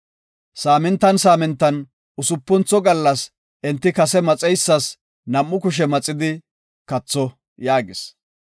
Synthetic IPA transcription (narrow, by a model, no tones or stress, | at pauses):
saːmɛnt̪ːɐnsaːmɛnt̪ːɐn | ʊsʊpːɔnt͡sɔɡɐlːɐs | ʔɛnt̪ːɪkɐsɛmɐt͡sʼɛjsːɐs | nɐmːʊkʊʃ̬ɛmɐt͡sʼːɪd̪ɪ | kɐt͡sːɔ | jaːɡɪs